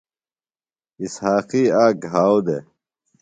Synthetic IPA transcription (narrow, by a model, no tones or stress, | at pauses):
ishaːqiːaːɡɦaːwd̪e